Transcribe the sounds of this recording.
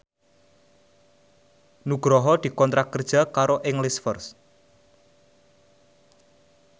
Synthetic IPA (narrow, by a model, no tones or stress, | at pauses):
nuɡ̥ɾɔɦɔd̪̥i̤kɔnt̪ɾakːərd̥ʒ̥a̤kaɾoʔɪŋlɪsfərs